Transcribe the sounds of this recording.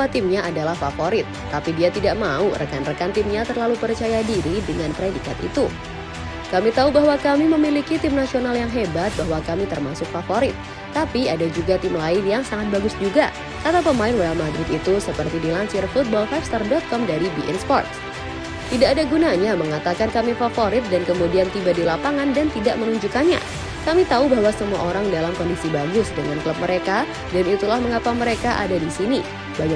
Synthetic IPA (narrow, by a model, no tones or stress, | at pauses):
awat̪ɪmɲaʔadalahfafoɾɪt̪̚ːapidiat̪idaʔmaurʔə̰kanrəkant̪ɪmɲat̪ərlalupərt͡ʃajadiɾidəŋanpəɾedikat̪ḭt̪u | kamit̪aubaɦwakamiməmilikit̪ɪmnasionaljaŋɦebat̪̚baɦwakamit̪ərmasʊk̚fafoɾɪt̪̚ː | apiadad͡ʒuɡat̪ɪmlaɪnjaŋsaŋat̪̚baɡʊsd͡ʒuɡa | kat̪apəmaɪnwaalmadɾɪt̪it̪usəpərt̪idilaɲt͡ʃɪrfut̪̚bɔlfɛpst̪ərdɔt̪̚kɔmdaɾibiʔɛnspɔ̰rt̪̚ | t̪idaʔːdaɡunaɲaməŋat̪akankamifafoɾɪt̪̚dankəmudiant̪ibadilapaŋandant̪idaʔmənuɲd͡ʒukanɲa̰ | kamit̪aubaɦwasəmua̰ʔoɾaŋdalamkɔndisibaɡʊsdəŋankləp̚məɾeka | danit̪ulahməŋapaməɾekaʔa̰dadisini | baɲa